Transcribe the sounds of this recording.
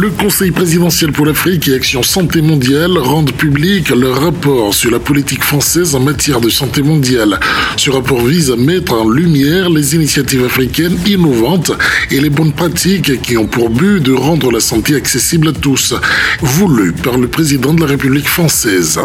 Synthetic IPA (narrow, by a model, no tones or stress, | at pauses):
ləkɔ̃sɛjpχezid̪ɑ̃sjɛlpuʁlafχikeaksjɔ̃sɑ̃t̪emɔ̃d̪jalʁɑ̃d̪ʁpyblikləʁapɔʁsyʁlapɔlit̪ikfχɑ̃sɛzɑ̃mat̪jɛʁd̪əsɑ̃t̪emɔ̃d̪jalsəʁapɔʁvizamɛt̪χɑ̃lymjɛʁlezinisjat̪ivafχikʲɛninɔvɑ̃t̪elebɔnpχat̪ʰikkːiɔ̃puʁbyd̪əʁɑ̃d̪ʁəlasɑ̃t̪eaksesiblat̪usvulypaʁləpχezid̪ɑ̃d̪əlaʁepyblikfχɑ̃sɛz